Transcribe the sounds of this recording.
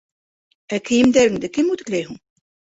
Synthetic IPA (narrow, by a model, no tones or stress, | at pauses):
ækɘ̆jɘ̆md̪æɾɘ̆ŋd̪ɘkɘmut̪ɘ̆klæjɦuɴ